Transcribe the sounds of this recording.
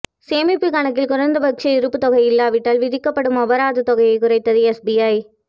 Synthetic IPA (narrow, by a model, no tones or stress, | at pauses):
seːmɪpːɯkɐɳɐk̬ːɪlkʊrɐnd̪ɐbɐk̚t͡ʃɐɪɾɯpːɯt̪ɔɣɐɪɪlːaːʋɪʈːaːlʋɪðɪkːɐpːɐɽɯmɐbɐɾaːðɯt̪ɔɣɐjɐɪkʊɾɐɪt̪ːɐðɯɛsbiaj